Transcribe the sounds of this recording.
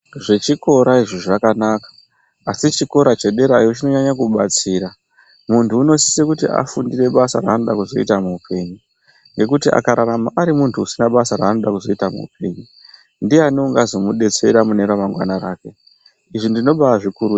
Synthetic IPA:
ʐe̞t͡ʃiko̞ɾaiʐiʐakanaːkḁː | sit͡ʃiko̞ɾat͡ʃe̞ɗe̞ɾajut͡ʃino̞ɲaɲakuɓat͡siːɾa | muntuːno̞si̥sekutiʔa̰fundire̞ɓasaɾa̰ːno̞ɗakuzo̞ḭtamuːpʰe̞ːɲu | ŋɡe̞kutia̰kaɾaɾamaʔːɾimuntʰuusinaɓasaɾaːno̞ɗakuzo̞itamṵːpe̞ɲu | ndianouŋɡazo̞muɗe̞t͡se̞ɾamune̞ɾamaŋɡwa̰naɾaːke̞ | iʐindino̞ɓaʐikuɾu

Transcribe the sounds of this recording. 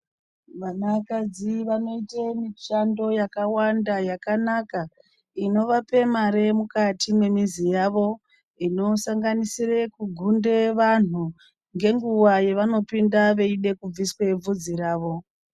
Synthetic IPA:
ʋanakad͡ziʋano̞itemit͡ʃando̞jakawandajakanaka | ino̞ʋape̞maɾe̞mukatine̞mizijaʋo̞ | ino̞saŋɡanisire̞kuɡʱunde̞ʋan̤u | ŋɡe̞ŋɡuwaje̞ʋano̞pindaʋe̞iɗe̞kub͡viswe̞b͡vud͡ziɾaːʋo̞

